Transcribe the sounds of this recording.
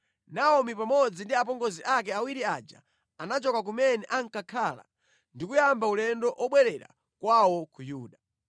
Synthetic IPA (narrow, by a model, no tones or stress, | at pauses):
naɔmipamɔd͡zindiap̬ɔŋɡɔziʔakɛawiɾiad͡ʒa̰ | anat͡ʃɔkak̬umɛnɛʔaŋkakʰaːla̰ | ndikujambaulɛndɔʔɔɓwɛɾɛɾa̰ | kwawɔkujuːɗa